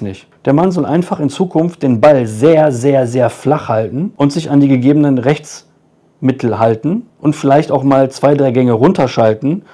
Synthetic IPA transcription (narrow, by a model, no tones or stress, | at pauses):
nɪçtd̥eːɐmanzɔlʔa̰ɪnfaχɪnt͡suːkʰʊnftd̥eːnbalzeːɐzeːɐzeːɐflaχhaltn̩ʔʊntz̥ɪçandiːɡəɡeːbənənʁɛçt͡s | mɪtʰl̩haltn̩ʔʊntfɪlaɪçtaʊxmaːlt͡sv̥aɪdʁaɪɡɛŋəʁʊntɐʃaltn̩